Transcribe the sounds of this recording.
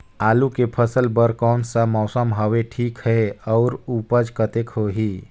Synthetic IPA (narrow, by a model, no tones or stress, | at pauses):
aːlukepʰəsəlbəɾkɔːnsamɔːsəmɦəʋeʈʰiːkɦɛɔːɾuːpəd͡ʒkət̪ekɦoɦiː